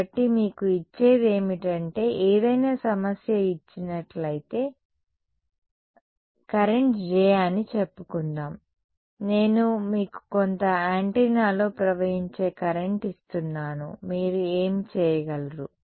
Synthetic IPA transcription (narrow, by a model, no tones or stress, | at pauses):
ɐʈːimiːkuit͡ʃːe̞ːd̪e̞ːmiʈɐɳʈe̞ːʔɛːd̪ɐjnaːsɐmɐsjɐit͡ʃːinɐʈlɐjit̪e̞ː | kɐɾe̞ɳʈd͡ʒɛːjaːnit͡ʃepːukunːaːm | ne̞ːnumiːku̥kont̪ɐaːɳʈenaːlo̞ːpɾɐʋɐjiɲt͡ʃe̞ːkɐɾe̞ɳʈist̪unːaːnṵmiːɾue̞ːmit͡ʃɛːjɐɡɐlɾu